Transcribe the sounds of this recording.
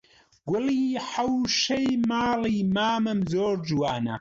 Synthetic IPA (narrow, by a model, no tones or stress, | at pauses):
ɡʷʊliːħɐwʃɐjmaːliːmaːmɨmzoːɾd͡ʒwaːnɐ̰